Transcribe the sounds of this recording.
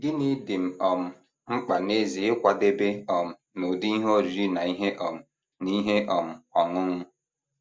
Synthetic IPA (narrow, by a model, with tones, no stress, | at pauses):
ɡɪ˦ni˦dɪ˨m̩˨ɔ˨m̩˨ | ŋ͡m̩˦k͡pa˨ne˦zi˨ɪ˦kʷa˨de˦be˦ɔ˨m̩˨ | no˨di˦i˦ɦo˦ɾi˨ɾi˦na˨i˦ɦe˦ʔɔ˨m̩˨ | ni˦ɦe˦ʔɔ˨m̩˨ɔ˨ŋʊ˦ŋʊ˦